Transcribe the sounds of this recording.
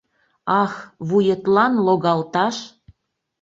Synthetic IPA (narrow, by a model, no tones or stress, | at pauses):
ɑxβujət̪lɑnloɣɑlt̪ɑʃ